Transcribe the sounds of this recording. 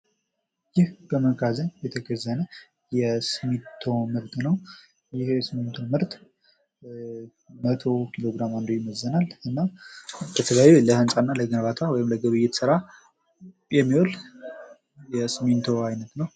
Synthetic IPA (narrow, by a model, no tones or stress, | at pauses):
jɪhkəməkazəjɛt̪ʰəɡəzːənə | jɛsɨmit̪ʰːo̞mɨɾt̪nəw | jɪhsɨment̪ʰo̞mɨɾt̪ʼ | mət̪ʰo̞kʰilo̞ɡɾamand̪ojɪməzːənalɨnːabət̪ʰəljajuləhɨnsʼanːaləɡənβat̪ʰawɔjɪmləɡəβɨjːɪt̪sɨɾa | jɛmːiwol | jɛsɨment̪ʰo̞ajnət̪nəw